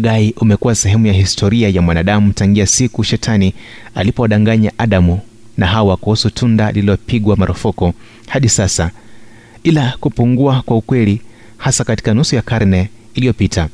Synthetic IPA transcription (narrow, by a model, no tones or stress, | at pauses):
ɡaiʔumɛkuwasɛɦɛmujaɦistʰɔɾiajamwanaɗamutaŋɡiasikuʃɛtʰanialipɔaɗaŋɡaɲaʔaɗamu | naɦawakuhusutʰundaliilɔpiɠwamaɾʔɔfɔkɔ | haɗisasa | ilakupuŋɡuakwaukwɛli | hasakati̥kanusujakaɾnɛ | ilijɔpitʰa